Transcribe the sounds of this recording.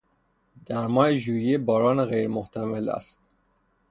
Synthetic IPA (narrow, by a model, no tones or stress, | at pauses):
d̪æɾmɒːeʒuːjebɒːɾɒːneɣejɾmoht̪ʰæmelæ̰st̪̚